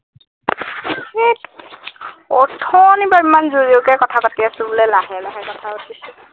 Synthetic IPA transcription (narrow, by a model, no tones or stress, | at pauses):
xet | ɔtʰɔnibabimanzuɹiokɛkɔtʰapatiasʊbʊlɛlaɦɛlaɦɛkɔtʰapatisʊ